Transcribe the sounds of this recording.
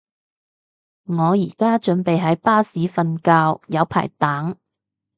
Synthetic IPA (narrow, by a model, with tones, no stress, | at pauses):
ŋɔː˨˧jiː˨˩kaː˥t͡ʃɵ˨˥npe˨jɦɐ˨˥jpaː˥siː˨˥fɐ˧nkaː˧wjɐ˨˧wpʰa̰ː˨˩jt̪aː˨˥ŋ